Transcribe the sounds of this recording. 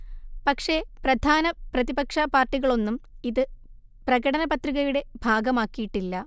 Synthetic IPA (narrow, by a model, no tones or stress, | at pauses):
pɐkʂe̞prɐd̪ʱaːnɐprɐðibɐkʂɐpaːrʈːiɣɐɭo̞nːumiðɨ | prɐɣɐɽɐnɐbɐt̪riɣɐjuɽe̞bʱaːɡɐmaːkːijiʈːilːɐ